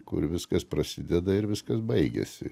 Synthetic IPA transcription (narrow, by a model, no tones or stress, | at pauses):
kʊ̰ɾʋʲɪskɐspɾɐsʲɪd̪ʲɛd̪ɐɪɾʋʲɪskɐsbɐɪɡʲɛ̰sʲɪ̰